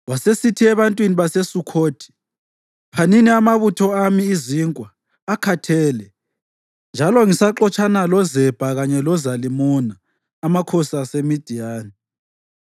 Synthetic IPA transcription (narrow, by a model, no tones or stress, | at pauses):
wasesitʰiɛβantʼwiniβasesukʰoːd̥ʰʱʼi̥ | pʰaniniamaβutʰɔamiːziŋkʼwaː | kʰatʰɛːlɛ | nd͡ʒʱalɔŋisaǁɔt͡ʃʼʰanalɔzɛb̥ʱaɣaɲɛlɔzalimunaː | makʰɔsasemid̥ʱijaːni